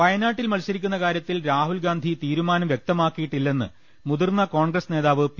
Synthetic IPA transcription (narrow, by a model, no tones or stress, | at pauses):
pɐjɐnaːʈːilmɐlɕɐɾikʲːunːɐkaːɾjɐt̪ːilɾaːɦulɡaːnd̪ʱit̪iːɾumaːnɐmʋjek̚t̪ɐmaːkːijiʈːilːe̞nːɨ | muðurnɐko̞ːɳɡrɐsne̞ːðaːʋɨp